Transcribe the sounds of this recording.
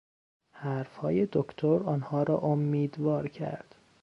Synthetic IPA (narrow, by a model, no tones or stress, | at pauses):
hæɾfhɒːje̞d̪okt̪ʰoɾɒːnhɒːɾɒːʔomːiːd̪vɒːɾcʰæ̰ɾd̪̥